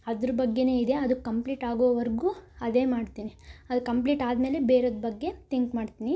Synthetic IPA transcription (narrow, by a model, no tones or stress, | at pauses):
ɐd̪ɾɐbɐɡːe̞ne̞ːid̪e̞ɐd̪ukɐmpliːʈaːɡoːʋɐʋɐɾɡuːɐd̪e̞ːmaːɖt̪iːniɐd̪ukɐmpliːʈaːd̪meːle̞beːɾoːd̪bɐɡːe̞t̪iŋkmaːɖt̪iːni